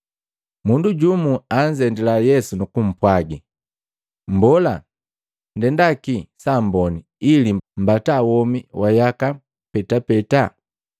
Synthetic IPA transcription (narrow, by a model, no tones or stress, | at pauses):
munduɟumuaɲd͡ʒɛndilajɛsunukum̩pwaɡi | m̩bɔla | ndɛndakisambɔniːlim̩batawɔmiwʔajaka | pɛtapɛta